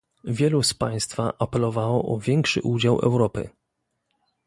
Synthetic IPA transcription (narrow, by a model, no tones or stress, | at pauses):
vʲjɛluspaj̃st̪faʔapɛlɔvawɔʔɔvʲjɛŋkʂɘ̰ʔud͡ʑawʔɛ̰wɾɔpɘ̰